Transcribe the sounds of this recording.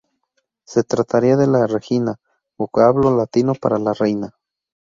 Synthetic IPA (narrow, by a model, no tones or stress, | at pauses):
set̪ɾat̪aɾiaðelarexina | βokaβlolat̪inopa̰ɾalarejna